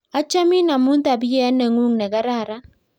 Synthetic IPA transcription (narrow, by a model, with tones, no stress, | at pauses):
a˦t͡ʃa˦mi˦na˨mu˦n˦t̪a˨bi˦jɛ˦a˦nɛ˨ŋu˦ŋnɛ˨ɡa˦ɾa˦˨ɾa˦